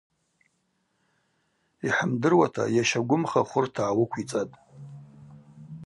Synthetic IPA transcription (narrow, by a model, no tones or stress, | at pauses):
iħəmdɨrwatʰa̰jaʃaɡʷʊmχaχʷʊrtʰaːwʊkʷʰit͡sʼatʼ